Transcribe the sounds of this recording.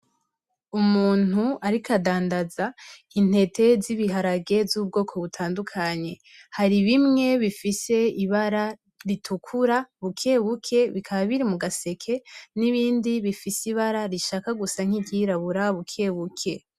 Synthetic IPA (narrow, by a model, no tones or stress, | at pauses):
umuːn̥uaɾikʰadaːndazain̥e̞tʰe̞ziβiɦaɾaɡɡe̞vzuːb̚ɡo̞ːkʰo̞βutʰaːndukʰaɲe̞ | haɾiβimŋe̞βifise̞iβaɾa | ɾitʰukʰuɾaβukʰe̞βukʰe̞βikʰaβaβiɾimuɡase̞kʰe̞niβiːndiβifisiβaɾaɾiʃaːkaɡusaŋ̥hiɟiɾaβuɾaβukʰe̞βukʰe̞